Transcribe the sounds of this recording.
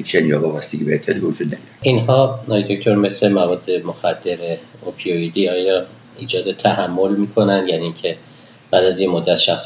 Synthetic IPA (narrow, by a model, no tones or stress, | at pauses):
hit͡ʃːenjɒbɒvæst̪iɡibeet̪ʰːɒːd̪ibehod͡ʒud̪næd̪iɾinɦɒːnɒjid̪o̞ct̪ʰoɾme̞slemævɒːd̪ːe̞moxæd̪̥ːe̞ɾe | opʰioid̪iːɒːjɒː | iːd͡ʒɒːd̪et̪ʰæhæmːo̞lmiːkʰo̞nænd̪jæniiŋcʰe̞ | b̥æːd̪æzjemod̪ːæt̪ʃæxs